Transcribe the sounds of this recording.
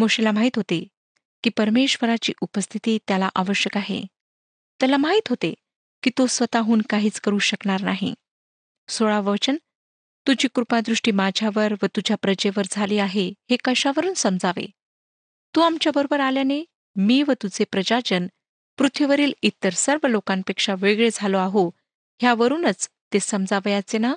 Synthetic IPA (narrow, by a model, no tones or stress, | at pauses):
moɕelamaɦiːt̪ɦot̪e | kiːpəɾmeɕʋəɾat͡ɕḭːʔupəst̪ʰit̪iːt̪jalaʔaʋəɕjəkaɦḛ | t̪jalamaɦiːt̪ɦot̪ḛ | kiːt̪osʋət̪aɦuːnkaɦiːt͡skəɾuɕəkɳaɾnaɦḭ | soɭaʋəʋt͡ɕən | t̪ud͡ʑiːkɾupad̪ɾuʂʈiːmad͡ʑʱjaʋəɾʋət̪ud͡ʑʱjapɾəd͡ʑeʋəɾd͡zʱaliːaɦehekəɕaʋəɾuːnsəmd͡zaʋḛ | t̪uːamt͡ɕjabəɾobəɾaljane | miːʋət̪ud͡zepɾəd͡ʑad͡ʑən | pɾut̪ʰiʋəɾiːlit̪əɾsəɾʋəlokãnpekʂaʋeɡɭed͡zʱaloaɦo | ɦjaʋəɾuːnət͡s | t̪esəmd͡zaʋjat͡sena